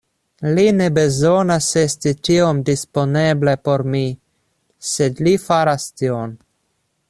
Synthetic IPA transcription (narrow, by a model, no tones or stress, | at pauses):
line̞be̞zo̞nase̞stit͡ʃiomdispo̞neblepo̞ɾmi | se̞dlifaɾastion